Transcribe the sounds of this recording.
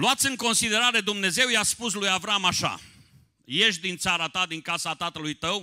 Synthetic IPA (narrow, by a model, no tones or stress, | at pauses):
luat̪sʲɨŋko̞nsid̪e̞ɾaɾe̞d̪umne̞ze̞wjaspuslujavɾamaʃa̰ | je̞ʃ̬d̪int̪saɾat̪ad̪iŋkasat̪at̪əlujt̪əw